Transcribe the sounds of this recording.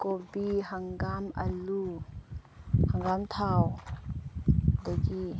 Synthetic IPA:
kobihaŋɡamʔɐ̰lu | haŋɡamt̪ʰaw | d̪aɡi

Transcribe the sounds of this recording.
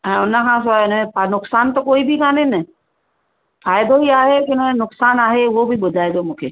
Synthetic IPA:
ɛ̃ːʊnəkʰãs̬aɪnəẽpanʊksaːnt̪okoːibʱikʰãːnenɐ | faːɪd̪oɦiaːɦekɪnnʊksaːnaːɦeʋobʱiɓʊd̪ʱaːed̪omũːkʰeː

